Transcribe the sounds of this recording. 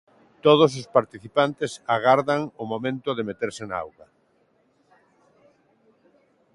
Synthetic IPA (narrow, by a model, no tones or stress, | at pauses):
t̪oð̞ʊs̬ʊspaɾt̪iθipant̪ɪsaɣaɾðaŋʊmomẽnt̪ʊðemet̪eɾsɪnaa̰wɣɐ